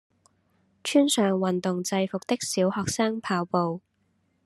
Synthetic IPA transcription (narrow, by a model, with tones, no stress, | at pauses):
t͡ʃʰyː˥nsœː˨ŋwɐ˨nt̪ʊ˨ŋt͡sɐ˧jfʊ˨k̚t̪ɪ˥k̚siː˨˥whɔː˨k̚saː˥ŋpʰaː˧wpo˨˧w